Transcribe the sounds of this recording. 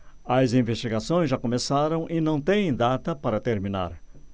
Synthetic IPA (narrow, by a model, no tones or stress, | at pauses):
ɐzĩvest͡ʃiɡasõj̃zʒakomesaɾɐ̃w̃ʔinɐ̃w̃t̪ẽj̃d̪at̪ɐpaɾɐt̪eɾmĩna̰ɾ